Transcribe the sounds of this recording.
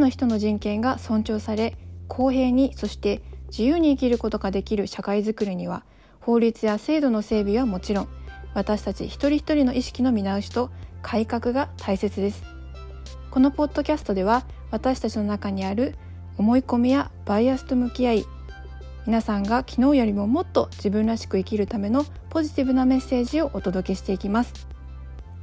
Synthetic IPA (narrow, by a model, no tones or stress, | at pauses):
noçi̥t̪o̞no̞ʑĩŋkẽ̞ŋɡasõ̞ɲ̟t͡ɕo̞ːsaɾe̞kʰo̞ːɦe̞ːɲ̟iso̞ɕi̥t̪e̞d͡ʑijɯːɲ̟iːkʲiɾɯ̟ko̞t̪o̞ɡad̪e̞kʲiɾɯ̟ɕakaizɨkɯ̟ɾʲiɲ̟iβ̞a̰ | ho̞ːɾʲit͡sɨjase̞ːd̪o̞no̞se̞ːbʲiβamo̞t͡ɕiɾõ̞ŋβ̞at̪aɕi̥t̪at͡ɕḭçi̥t̪o̞ɾʲiçi̥t̪o̞ɾʲino̞ʔiɕi̥kʲino̞mʲinaɯ̟ɕi̥t̪o̞kʰaikakɯ̟ɡat̪ʰaise̞t͡sɨd̪e̞sɨ̥ | ko̞no̞po̞d̪ːo̞kʲasɨ̥t̪o̞d̪e̞β̞a | β̞at̪aɕi̥t̪at͡ɕino̞nakaɲ̟iaɾɯ̟ | o̞mo̞iko̞mʲijab̥aiasɨ̥t̪o̞mɯ̟kʲiai | mʲinasãŋɡakʲʰino̞ːjo̞ɾʲimo̞mo̞t̪ːo̞d͡ʑibɯ̟̃nɾaɕi̥kɯ̟ikʲiɾɯ̟t̪ame̞no̞ | po̞ʑit̪ʲibɯ̟name̞sːe̞ːʑio̞ʔot̪o̞d̪o̞ke̞ɕi̥t̪e̞ikʲimasɨ̥